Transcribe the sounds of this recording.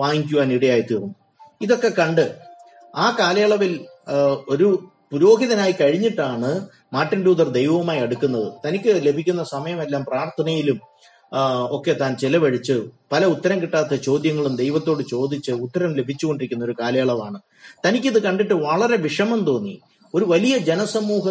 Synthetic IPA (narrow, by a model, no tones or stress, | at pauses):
ʋaːŋikʲjuʋaːniɽɐjaːjɐt̪iːrunːu | iðo̞kːe̞kɐɳɖɨ | aːkaːlɐjaɭɐʋil | o̞ɾu | puɾo̞ːɡiðɐnaːjikɐɻiɲːiʈːaːɳɨ | maːʈːinɖuːd̪ɐrd̪e̞jʋɐmaːjeɽukːunːɐðɨt̪ɐnikʲːɨle̞bʱikʲːunːɐsɐmɐjɐme̞lːaːmpraːrt̪ʰɐnɐjilum | o̞kːe̞t̪aːnt͡ɕilɐʋɐɻit͡ɕːɨpɐlɐut̪ːɐɾɐmkiʈːaːt̪ːɐt͡ɕo̞ːd̪jɐŋːɐɭumd̪e̞jʋɐt̪ːo̞ːɽɨt͡ɕo̞ːd̪it͡ɕːɨut̪ːɐɾɐmle̞bʱit͡ɕːuɣo̞ɳɖiɾikʲːunːɐo̞ɾukaːlɐjaɭɐʋaːɳɨ | t̪ɐnikʲːɐðɨkɐɳɖiʈːɨʋɐɭɐɾe̞ʋiʂɐmɐmt̪o̞ːnːḭ | o̞ɾuʋɐlijɐd͡ʑe̞nɐsɐmːuːɦɐ